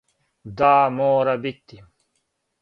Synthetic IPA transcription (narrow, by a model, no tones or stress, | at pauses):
d̪aːmoːɾɐbit̪ːi